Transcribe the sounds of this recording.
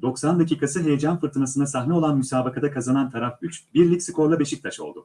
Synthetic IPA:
d̪o̞ksand̪aciːkʰasɯɦe̞jed͡ʒanfɯɾt̪ʰɯnasɯnasaɦnʲɛo̞lˠanmysaːbakʰad̪akʰazanant̪ʰaɾafyt͡ʃbiɾlʲipsi̥kʰo̞ɾlˠabe̞ʃik̚t̪ʰaʃo̞lˠd̪ʊ

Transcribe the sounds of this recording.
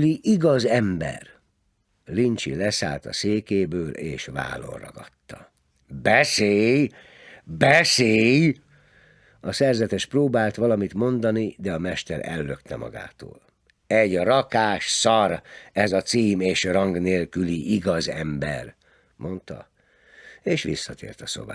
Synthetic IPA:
liʔiɡɒzɛmbɛ̰r | lint͡ʃḭlɛsa̰ːlt̪ɒ̰seːkeːbøːlḛːʃʋa̰ːlo̞̰nrɒ̰ɡɒt̪ːɒ | bɛseːj | bɛseːj | ɒsɛrzɛt̪ɛʃproːbaːlt̪ʋɒlɒmit̪mo̞nd̪ɒnid̪ɛɒmɛʃt̪ɛɾɛ̰lːøkt̪ɛmɒ̰ɡa̰ːt̪o̰ːl | ɛɟrɒkaːʃsɒrɛzɒt̪siːmeːʃrɒŋɡneːlkyliʔiɡɒzɛmbɛ̰r | mʔo̞nt̪ɒ̰ | eːʃʋḭsːɒt̪ḛːrt̪ɒso̞̰ba̰ː

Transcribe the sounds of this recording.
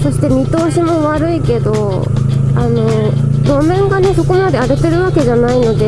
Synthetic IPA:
so̞ɕi̥t̪emʲit̪o̞ːɕimo̞βaɾɯ̟ike̞d̪o̞ | ano̞ɾo̞mẽ̞ŋɡane̞so̞ko̞mad̪e̞aɾɯt̪e̞ɾɯ̟βake̞ʑanaino̞d̪e̞

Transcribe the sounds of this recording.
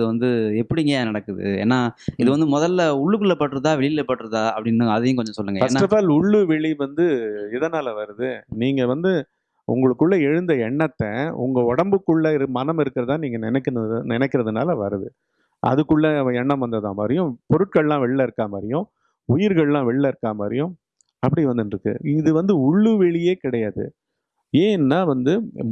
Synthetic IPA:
ðɯʋɐnd̪ɯɛpːɐɽɪŋɡenɐɽɐkːɯðɯ̰ḛːnːaːɪðɯʋɐnd̪ɯmɔðɐlːʊɭːɯkːɯɭːɐpːɐʈːɯɾɐðãːʋɛɭɪɪlɐpːɐʈːɯɾɐðaːɐpːɐɽɪnːɯɐðɯjẽːkɔɲd͡ʒɔ̃sɔlːɯŋɡɐɐsʈːaɾɐfaːlʊɭːɯʋɛɭiʋɐnd̪ɯɪðɐnaːlɐʋɐɾɯðɯniːŋɡɐʋɐnd̪ɯ | ʊ̰ŋɡɐɭɯkːɯɭːɐɛɻɯnd̪ɐɛɳːɐt̪ːɐʊ̰ŋɡɐɔɽɐmbɯkːɯɭːɐɪɾɯmɐnɐmɪɾɯkːɪɾɐðt̪ãːniːŋɡɐnɪnɛkːnɐnɪnɛkːɪɾɐðɯna̰ːlɐʋɐɾɯðɯ | ʔɐ̰ðɯkːɯɭːɐɛɳːɐ̃mʋɐnd̪ɐðã̰ːma̰ːɾɪjʊ̃pɔɾɯʈ̚kɐɭlãːʋɛɭːɐɪɾɯkːaːmaːɾɪjʊ̃ | ʊjɪɾɣɐɭlãːʋɛɭːɐɪɾɯkːaːmaːɾɪjʊ̃ | ɐpːɐɽiʋɐnd̪ɯnɾɯkːɯ̰ɪðɯʋɐnd̪ɯʊɭːɯʋɛɭɪjeːkɪɽɐjaːðɯ̰ | eːnnːaːʋɐnd̪ɯ

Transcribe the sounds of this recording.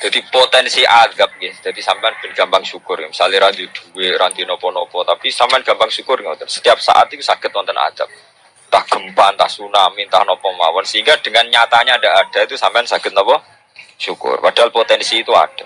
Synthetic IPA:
d̪̥a̤d̪̥ipot̪ɛnsiʔad̥ap̚ɡɪhd̪̥a̤d̪isampeanb̥ənɡ̥a̤mpaŋʃukʊrmisaliɾand̪id̪̥uweɾand̪inɔpɔnɔpɔt̪apisampejanɡ̥ampaŋʃukʊrŋɔnɔnsə̥t̪iap̚sa̰ʔa̰t̪ik̪usaɡ̥ə̤t̪̚nɔnt̪ɔna̰d̪̥ap̚ | t̪ahɡ̥ə̤mpant̪ahsunamint̪a̰hnɔpɔma̰wɔnsəiŋɡad̥əŋanɲat̪aɲadaaɖ̥a̤it̪usampɛansaɡ̥ət̪̚nɔpɔ | ʃukʊ̰rpad̥a̤ɦalpot̪ɛnsiːt̪ua̰ɖ̥a

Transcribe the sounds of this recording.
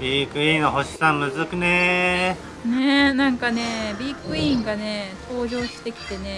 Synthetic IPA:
bʲikɯ̟ĩnoɦoɕi̥sãmmɯ̟zɨkɯ̟ne | nenãŋkane̞bʲiːkɯ̟ĩŋɡane̞t̪ʰo̞ːʑo̞ːɕi̥t̪e̞kʲi̥t̪e̞ne̞

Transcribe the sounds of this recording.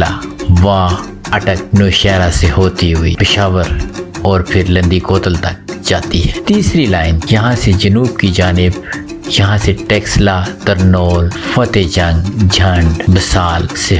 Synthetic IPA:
a̰ʋãː | ɐʈək̚noːʃɛːɾaseɦoːt̪iɦʊḭːpɪʃaːʋəɾɔːɾpʰɪɾlɐ̃nd̪ikoːt̪əlt̪ɐk̚d͡ʒaːt̪iɦɛːt̪iːsɾilaːɪnjɐɦãsed͡ʒɐnuːbkid͡ʒaːnɪb | jɐɦãseʈɛːkslat̪ɐɾnoːlfɐt̪ed͡ʒɐ̃ŋɡd͡ʒʱɐ̃ɳɖbɪsaːlse

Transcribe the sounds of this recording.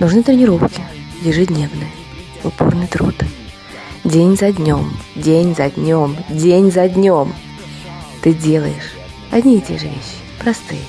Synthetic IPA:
nʊʐnɨt̪ɾʲɪnʲɪɾo̞fkʲɪjɪʐɨdʲnʲevnɨjə | ʊpo̰rnɨjt̪ɾṵt̪ | dʲenʲzɐdʲnʲo̞mdʲenʲzɐdʲnʲomdʲenʲzɐdʲnʲom | t̪ɨdʲelˠəjɪʂ | ɐdʲnʲitʲe̞̰ʐɨvʲḛɕːɪ̥pɾɐst̪ɨjə

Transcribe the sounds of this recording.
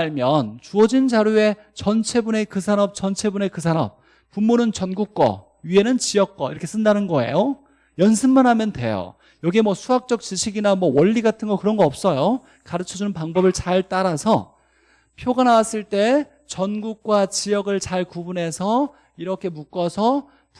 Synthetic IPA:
aɭmjʌnt͡ɕuʌd͡ʑint͡ɕaɾjue̞ | t͡ɕʌnt͡ɕʰe̞bune̞kɯsʰanʌp̚t͡ɕʌnt͡ɕʰe̞bune̞kɯsʰanʌp̚ | pumːunɯnt͡ɕʌnɡuk̚k͈ʌ̰ | ɥie̞nɯnt͡ɕijʌk̚k͈ʌḭɾʌkʰe̞s͈ɯndanɯnɡʌe̞̰jo | jʌnsʰɯnmanɦamjʌntwe̞̰jo̰ | jʌɡie̞mwʌsʰuɦak̚t͡ɕ͈ʌk̚t͡ɕiɕʰiɡinamwʌwʌʎːiɡatʰɯnɡʌkɯɾʌnɡʌʌp̚s͈ʌjo | kaɾɯt͡ɕʰʌd͡ʑunɯnpaŋbʌbɯɭt͡ɕaɭt͈aɾasʰʌ | pʰjoɡanawas͈ɯɭt͈e̞ | t͡ɕʌnɡuk̚k͈wat͡ɕijʌɡɯɭt͡ɕaɭkubunɦe̞sʰʌ | iɾʌkʰe̞muk͈ʌsʰʌ

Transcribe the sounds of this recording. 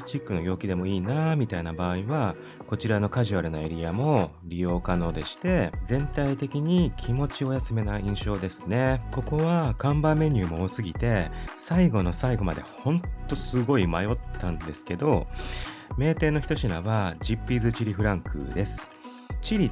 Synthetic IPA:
t͡ɕikːɯ̟no̞ɡʲo̞ːkʲid̪e̞mo̞iːnamʲit̪ainabaːiβa | ko̞t͡ɕiɾano̞kaʑiβaɾɯ̟noe̞ɾʲijamo̞ | ɾʲijo̞ːkano̞ːd̪e̞ɕi̥t̪e̞zẽ̞nt̪ait̪e̞kʲiɲ̟ikʲʰimo̞t͡ɕio̞jasɨme̞naĩɰ̃ɕo̞ːd̪e̞sɨ̥ne̞ko̞ko̞βakãmbame̞ɲ̟ʲɨːmo̞ːsɨɡʲit̪e̞saiɡo̞no̞saiɡo̞mad̪e̞̰hõ̞nt̪ːo̞sɨɡo̞imajo̞t̪ːãnd̪e̞sɨ̥ke̞d̪o̞ | me̞ːt̪e̞ːno̞çi̥t̪o̞ɕina̰βad͡ʑipɾʲizɨt͡ɕiɾʲiɸɯ̟ɾãŋkʰɯ̰d̪e̞sɨ̥ | t͡ɕiɾʲi

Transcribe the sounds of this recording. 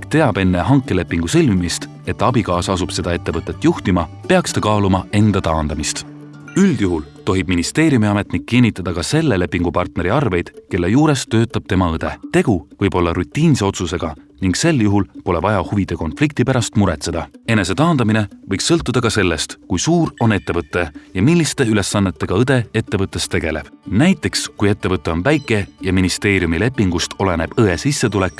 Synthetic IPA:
kt̪e̞ɑb̥e̞nːe̞ɦɑŋkˑːe̞le̞pːˑiŋɡ̥usɤlʲmimist̪ | e̞t̪ːˑɑbikɑːsɑsub̥se̞d̪̥ɑe̞t̪ːe̞vɤt̪ˑːe̞t̪ːˑjuht̪imɑpeɑkst̪ɑkɑːlumɑe̞nd̪̥ɑt̪ɑːnd̪̥ɑmist̪ | yld̪̥juɦult̪o̞ɦib̥̚minist̪e̞ːɾjumiɑme̞t̪nikːinʲːit̪ːˑɑd̪̥ɑkɑse̞lːele̞pːiŋɡ̥upɑrt̪ne̞ɾiɑrve̞jd̪̥ke̞lːe̞juːɾe̞st̪ːø̞ːt̪ːˑɑb̥̚t̪e̞mɑɤd̪̥e̞t̪e̞ɡ̥uvɤjb̥o̞lːɑɾut̪ːˑiːnse̞o̞t̪suse̞ɡ̥ɑniŋɡse̞lːjuɦulpo̞le̞vɑjɑhuvid̪̥e̞ko̞nflik̚t̪ipæɾɑst̪muɾet̪se̞d̪̥ɑe̞ne̞se̞t̪ɑːnd̪̥ɑmine̞vɤjksːɤlt̪ːˑud̪̥ɑkɑse̞lːe̞st̪kujsuːro̞ne̞t̪ːe̞vɤt̪ːˑe̞jɑmilːist̪e̞yle̞sːɑnːe̞t̪ːe̞ɡ̥ɑɤd̪e̞e̞t̪ːe̞vɤt̪ːˑe̞st̪e̞ɡ̥e̞le̞b̥næjt̪ːˑe̞kskuje̞t̪ːevɤt̪ːˑe̞o̞nvæjkːˑe̞jɑminist̪e̞ːɾijumile̞pːˑiŋɡ̥ust̪o̞le̞ne̞b̥ɤesisːe̞t̪ule̞kːˑ

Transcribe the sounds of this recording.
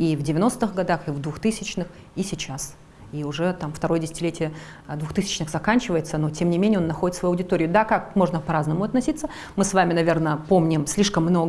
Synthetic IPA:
ivdʲɪvʲɪno̞st̪ɨxɡɐd̪axɨvd̪vʊxt̪ɨsʲɪt͡ɕnɨx | isʲɪt͡ɕas | iʊʐɛt̪amft̪ɐɾo̞jədʲɪsʲɪ̥tʲɪlʲetʲɪjə | d̪vʊxt̪ɨsʲɪ̥t͡ɕnɨxzɐkanʲt͡ɕɪvəjɪt̪səno̞tʲemnʲɪmʲenʲɪjo̞nːɐxo̞dɪt̪svɐjuɐʊdʲɪt̪o̞ɾʲɪjʊd̪akakmo̞ʐnəpɐɾaznəmʊɐt̪nɐsʲit̪sːə | mɨsvamʲɪnɐvʲe̞rnəpo̞mnʲɪmsʲlʲiʂkəmːno̞ɡə

